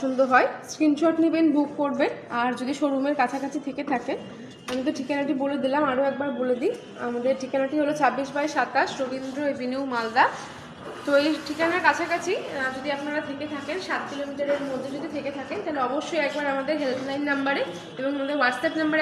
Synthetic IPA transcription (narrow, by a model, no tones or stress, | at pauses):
und̪oɦɔeskɾinʃoʈnibenbukːoɾbenaɾd͡ʑod̪iʃoɾumeɾkat͡ɕʰakat͡ɕʰit̪ʰeket̪ʰaken | amit̪̬oʈʰikanaʈiboled̪ilamaɾoɛk̚baɾboled̪i | a̰mad̪eɾʈʰikanaʈiɦolot͡ɕabːiʃbajʃat̪aʃɾobind̪ɾoebʱiniwmald̪a | t̪oejʈʰikanaɾkat͡ɕʰakat͡ɕʰid͡ʑod̪iapnaɾat̪ʰeket̪ʰakenʃat̪̚kilomiʈaɾeɾmod̪ʱːed͡ʑod̪ʱit̪ʰeket̪ʰakent̪aɦleɔboʃːojɛk̚baɾamad̪eɾɦelt̪lajnːambaɾe | eboŋamad̪eɾwaɖsɛpnambaɾ